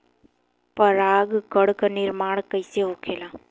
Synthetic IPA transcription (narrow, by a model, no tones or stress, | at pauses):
pəɾaːɡɡəɽknɪɾmaːɳkəjseɦokʰelaː